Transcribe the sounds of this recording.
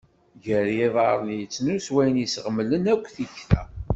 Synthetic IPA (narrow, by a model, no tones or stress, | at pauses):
ʝəɾjiðˤɑ̰ɾˤənjət͡sːnuswæjnisʁəmːlənækʷːθiçθæ̰